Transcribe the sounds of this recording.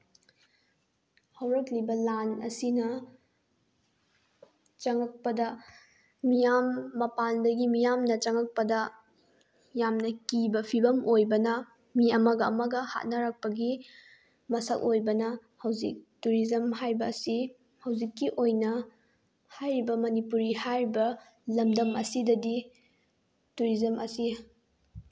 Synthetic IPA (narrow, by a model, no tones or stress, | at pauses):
hɐwɾɐk̚libɐlanɐ̰sinɐ | t͡ʃɐŋɐk̚pɐdɐ | mijamːɐpandɐɡimijamnɐt͡ʃɐŋɐk̚pɐdɐ | jamnɐkibɐpʰibɐmojbɐnɐ | miɐmɐɡɐːmɐɡɐha̰t̚nɐɾɐk̚pɐɡi | mɐsɐ̰k̚ojbɐnɐhɐwzik̚tuɾizɐmɦajbɐːsi | hɐwzikːiʔojnɐ | hajɾibɐmɐnipuɾihajɾibɐ | lɐmdɐmɐ̰sidɐdi | tuɾizɐmʔɐ̰si